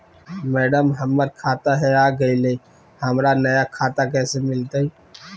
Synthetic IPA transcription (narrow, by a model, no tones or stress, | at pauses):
mɛːɖəmɦəmːəɾ̚kʰaːt̪aɦɛaːɡɐile | hɐmɾanɐjakʰaːt̪akɛːsemɪlt̪ai